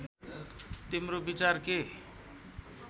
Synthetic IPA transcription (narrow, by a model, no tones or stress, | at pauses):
t̪imɾobit͡sarke